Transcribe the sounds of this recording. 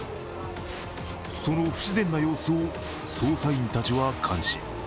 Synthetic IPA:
so̞noɸɯ̟̥ɕizẽ̞nːajo̞ːsɨo | soːsaĩnt̪at͡ɕiβakʰãɰ̃ɕi̥̰

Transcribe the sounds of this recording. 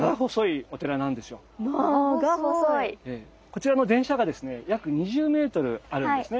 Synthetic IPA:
ɡaɦo̞so̞io̞t̪e̞ɾanãnd̪e̞sɨjo̞ | maooieː | ko̞t͡ɕiɾano̞d̪ẽɰ̃ɕaɡad̪e̞sɨne̞jakɯ̟ɲ̟iʑɨːme̞ːt̪o̞ɾɯ̟aɾɯ̃d̪esɨne̞

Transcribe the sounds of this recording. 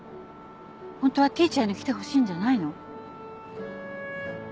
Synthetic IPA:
hõnt̪o̞βat̪iːt͡ɕanokʲi̥t̪e̞ɦoɕĩːɲ̟d͡ʑanaino̞

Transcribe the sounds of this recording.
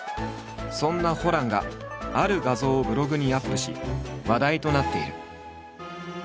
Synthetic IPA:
sõ̞nːaho̞ɾãŋɡa̰aɾɯ̟ɡazo̞ːbɯ̟ɾo̞ɡɯ̟ɲ̟ijapːɯ̟ɕiβad̪ait̪o̞nat̪ːe̞iɾɯ̟̰

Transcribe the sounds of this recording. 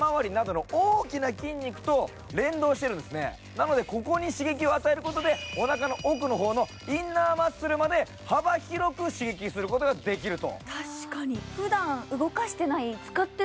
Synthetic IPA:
mãβaɾʲinad̪o̞no̞oːkʲinakʲĩɲ̟ʲːikɯ̟̥t̪o̞ | ɾẽ̞nd̪o̞ːɕi̥t̪e̞ɾɯ̟̃d̪e̞sɨne̞̰ | nano̞d̪e̞ko̞ko̞ɲ̟iɕiɡe̞kʲio̞at̪ae̞ɾɯ̟kot̪o̞d̪e̞onakano̞ʔokɯ̟no̞ɦo̞ːno̞ | inːaːmḁsɨɾɯ̟mad̪e̞ | habaçʲiɾo̞kɯ̟ɕiɡe̞kʲisɨɾɯ̟ko̞t̪o̞ɡad̪e̞k̬ʲiɾɯ̟t̪o̞̰t̪ʰaɕi̥kaɲ̟iɸɯ̟d̪ãɰ̃ɯ̟ɡo̞kaɕi̥t̪e̞nait͡sɨ̥kat̪ːe

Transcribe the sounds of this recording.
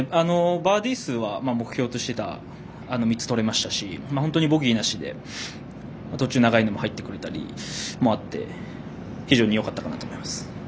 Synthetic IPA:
ano̞baːd̪ʲiːsɨːβamamo̞kɯ̟̥çʲo̞ːt̪o̞ɕi̥t̪e̞t̪a̰ | ano̞mʲit͡sɨ̥t̪o̞ɾe̞maɕi̥t̪aɕimahont̪o̞ɲibo̞ɡʲiːnaɕid̪e̞̰ | mat̪o̞t͡ɕɨːnaɡaino̞mohait̪ːe̞kɯ̟ɾe̞t̪aɾʲḭmo̞at̪ːe̞̰ | çiʑo̞ːɲ̟ijo̞kat̪ːakanat̪omo̞imasɨ̥

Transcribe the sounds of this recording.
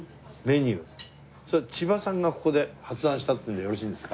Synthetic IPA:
me̞ɲ̟ɯː | soat͡ɕibasãŋɡako̞̥ko̞d̪e̞hat͡sɨd̪ãɰ̃ɕi̥t̪at̪eɯnd̪jo̞ɾo̞ɕĩːnd̪e̞sɨ̥ka

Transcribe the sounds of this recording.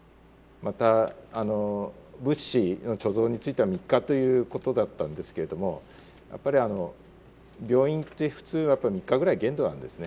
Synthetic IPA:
mat̪aːno̞bɯ̟ɕːino̞t͡ɕo̞zo̞ːɲ̟it͡sɨit̪eamʲikːat̪o̞jɯ̟ːko̞t̪o̞d̪at̪ːãnd̪e̞sɨ̥ke̞ɾe̞d̪o̞mo̞̰ | jʔa̰pːaɾʲiano̞ | bʲjo̞ːĩnt̪ːe̞ɸɯ̟̥t͡sɨːnoajapːaimʲikːaɡɯ̟ɾaiɡẽ̞nd̪o̞nã̰nd̪e̞sɨne̞

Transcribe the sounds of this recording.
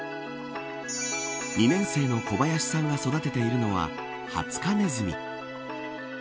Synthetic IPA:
ɲʲinẽ̞ɰ̃se̞ːno̞ko̞bajaɕi̥sãŋɡaso̞d̪at̪e̞t̪e̞iɾɯ̟no̞βa̰ | ha̰t͡sɨ̥kane̞zɨmʲḭ

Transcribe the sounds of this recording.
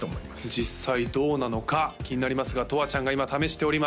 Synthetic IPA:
ooiad͡ʑissːaid̪o̞ːnano̞kakʲiɲ̟inaɾʲimasɨɡat̪o̞βat͡ɕãŋɡaimat̪ame̞ɕi̥t̪e̞o̞ɾʲima

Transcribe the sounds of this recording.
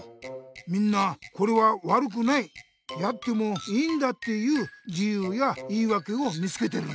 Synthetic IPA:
mʲĩnːako̞ɾe̞βaβaɾɯ̟k̬ɯ̟nai | jat̪ːe̞mo̞iːnd̪at̪ːe̞jɯːd͡ʑijɯːjaiːβake̞o̞mʲit͡sɨ̥ke̞t̪e̞ɾɯ

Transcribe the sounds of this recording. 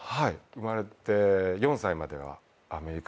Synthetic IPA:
haiɯ̟maɾe̞t̪e̞jõ̞ɰ̃saimad̪e̞̰βa̰ː | me̞ɾʲik

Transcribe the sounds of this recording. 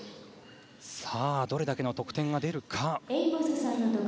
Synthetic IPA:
saːd̪o̞ɾe̞d̪ake̞no̞t̪o̞kɯ̟̥ẽ̞ŋɡad̪e̞ɾɯ̟kʰaeiposesaɾɯnot̪ok

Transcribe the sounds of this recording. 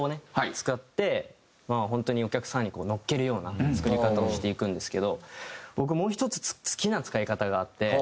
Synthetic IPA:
one̞ht͡sɨ̥kat̪ːe̞ | maːɦõ̞nt̪o̞ɲ̟io̞kʲakɯ̟̥sãɲ̟ːiko̞ːno̞kːe̞ɾɯ̟jo̞ːnat͡sɨ̥kɯ̟ɾʲikat̪aoɕi̥t̪e̞ikɯ̟̃nd̪e̞sɨ̥ke̞d̪o̞bo̞k̬ɯ̟mo̞ːçi̥t̪o̞t͡sɨ̥t͡st͡sɨ̥kʲinat͡sɨ̥kaikat̪aɡaːt̪ːe̞

